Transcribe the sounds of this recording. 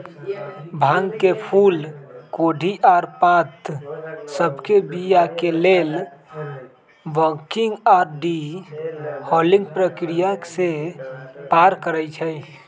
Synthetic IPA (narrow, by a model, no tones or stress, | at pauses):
bʱãŋkepʰulkoɖʱiʔaɾpãt̪səbʱkebijakelel | ʋəkiŋɡaɾɖi | hɔlĩŋɡpɾəkɾijase | paɾkəɾɛjt͡ʃʰəj